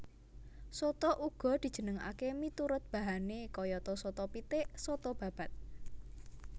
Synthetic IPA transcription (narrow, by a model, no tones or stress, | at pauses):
sot̪ɔʔuɡ̥ɔ̤d̪̥i̤̥d͡ʒ̥ə̤nəŋa̰kemit̪uɾʊt̪̚b̥ä̤ɦanekɔjɔt̪ɔsɔt̪ɔpit̪eʔsɔt̪ɔb̥a̤b̥a̤t̪̚